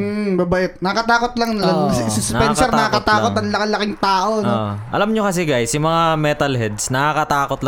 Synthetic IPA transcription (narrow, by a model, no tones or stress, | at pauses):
m̩bɐbɐʔɪt̪̚nɐɐkɐt̪aːkot̪lɐŋnɐlɐsʊspɛnsɛɾnnɐkakɐt̪aːkot̪ːɐŋlɐkɐlːɐkɪŋt̪aːʔo̞noʔʔɐ̰lamɲokɐs̬ɛɡajsimɐŋamɛt̪ɐlhɛd̪snɐkakɐt̪aːkot̪l